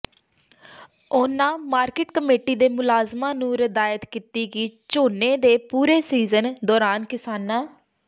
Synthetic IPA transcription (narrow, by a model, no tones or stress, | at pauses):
ʊnãːmaːɾkɪʈkəmeːʈiːd̪eːmʊlaːzmãːnũːɾɪd̪aːjət̪kiːt̪iːɡiːt͡ʃoːnẽːd̪eːpuːɾeːsiːzənd̪ɔːɾaːnkɪsaːnɛː